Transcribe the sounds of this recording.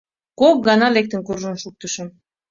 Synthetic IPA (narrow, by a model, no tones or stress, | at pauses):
kok̚ɡɑnɑlek̚t̪ə̆nkurʒənʃuk̚t̪əʃə̆m